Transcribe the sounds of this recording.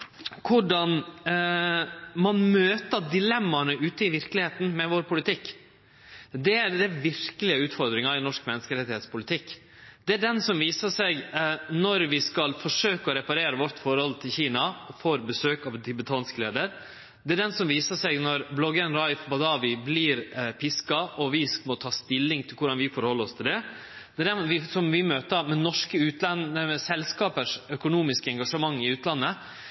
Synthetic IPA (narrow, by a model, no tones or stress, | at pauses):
kʰʊɖɑn | mɑnmøːt̪əd̪ɪlɛmːɑɳəʉːt̪əɪʋɪɾklɪheːt̪n̩mɛʋoːɾpʰʊlɪt̪ɪkː | d̪ɛæd̪ɛɾʋɪɾkəlɪəʉːt̪fɔɾd̪ɾɪŋɑɾɪnɔʂkmɛnːəskəɾɛt̪ːɪheːt̪spʊlɪt̪ʰɪkː | d̪̥ɛæɖɛnsɔmʋiːsəʂɛɡnɔɾʋɪskɑlfɔʂøːkəɔɾɛpɑɾeːɾəʋɔɾʈ̪ːfɔɾhɔlt̪ʰɪlçiːnɑɔfoːɾbəsøːkɑʋ̪t̪ʰɪbət̪ʰɑːnskleːd̪əɾ | d̪ɛæɖɛnsɔmʋiːsəʂɛɡnɔɾblɔɡənɾɑɪfbɑd̪ɑːʋɪbliːɾpʰɪskɑʔɔʋɪsmɔt̪ʰɑːst̪ɪlːɪŋt̪ʰɪlkʰʊɖɑnʋɪfɔɾhɔlːəɾɔst̪ʰɪld̪ɛ | d̪̥ɛːɖɛnʋɪsɔmʋɪmøːt̪əmɛnɔʂkəʉːt̪lɑnəɛsɛlskɑːpəʂœkʊnuːmɪskəɛŋɡɑʂəmɑŋːɪʉːt̪lɑnːə